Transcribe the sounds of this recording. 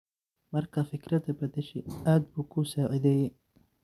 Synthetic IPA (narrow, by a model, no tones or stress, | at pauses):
mɐrkʰɐfɪkɾɐðɐbɐd̪ɛʃɛ̰jaːd̪̚buːkʰusaːʕɪðɛːjɛj